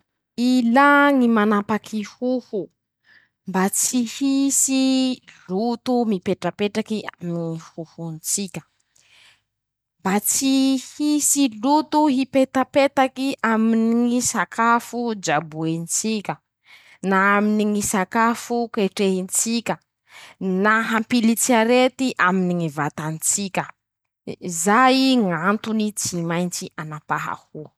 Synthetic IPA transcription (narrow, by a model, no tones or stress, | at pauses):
ilaŋimanapakʰihuhu | mbat͡sihisillut̪umipeʈ͡ʂəpeʈ͡ʂakiaminihuhunt͡sikʲə̥ | mbat͡sihisilut̪uɦipet̪apet̪akiʔaminiŋisakʰafud͡ʒabuent͡sikʲə | naaminiŋisakafukeʈ͡ʂeɦint͡sikʲə | naɦampilit͡siaɾet̪iʔaminiŋivat̪ant͡sikʲə | zajiŋant̪unit͡simajnt͡sianapaɦa̰hu